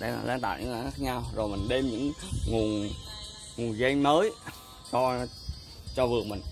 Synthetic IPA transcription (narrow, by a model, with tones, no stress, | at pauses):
ɗa̰˧˦a̰˨˩la̰ː˧˥nt̪a̰ː˧˨ɲɨ̰˧˥ŋa˨˦xaː˦˥k̚ɲa˧wzo˨˩jmï˨˩ŋ̟ɗe˧mɲɨ̰˧˥ŋŋu˨˩n | ŋu˨˩nza˧jŋməː˨˦j | t͡ɕɔ˧ | t͡ɕɔ˧vɨ˨˩ək̚mï˨˩ŋ̟